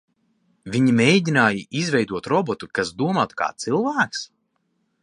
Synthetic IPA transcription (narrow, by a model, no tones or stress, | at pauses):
vʲiɲimejdʲinaːjɨʔizvʲɛjd̪uɔt̪ɾɔbɔt̪ukasd̪uɔmaːt̪ka̰ːt̪sɨlˠvæːks